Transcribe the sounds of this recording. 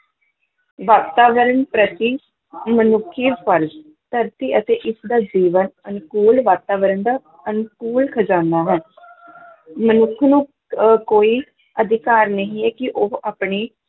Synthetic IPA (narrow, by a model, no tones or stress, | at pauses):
ʋaːt̪aːʋəɾənpɾət̪iː | mənʊkʰːiːpʰəɾz | t̪əɾt̪iːʔət̪eːʔɪsd̪aːd͡ʒiːʋənənkuːlʋaːt̪aːʋəɾənd̪aː | ənkuːlkʰəd͡ʒãːnd̪aːɦɛː | mənʊkʰnũː | koːiː | əd̪ʱɪkaːɾnəɦĩːɛːkɪʔoaːpɳiː